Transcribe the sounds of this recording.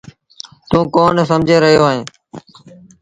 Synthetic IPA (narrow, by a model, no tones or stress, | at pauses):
t̪ũːkoːnsəmd͡ʒʱeːɾəɦijoːaːɦẽː